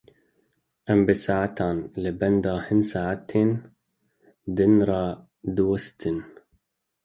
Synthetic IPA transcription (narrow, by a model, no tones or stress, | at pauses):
ʔambɪsaːʕat̪aːnlɪband̪aːhɪnsaːʕat̪ʰeːn | d̪ɪnɾˤɑː | d̪wast̪ʰɪn